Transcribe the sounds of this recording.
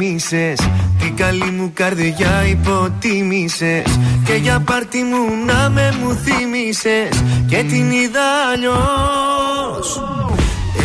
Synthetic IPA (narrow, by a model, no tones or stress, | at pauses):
isest̪ikalimukaɾðiʝaipot̪imiseskeʝapaɾt̪imunamemuθimisesket̪imiðaʎo | s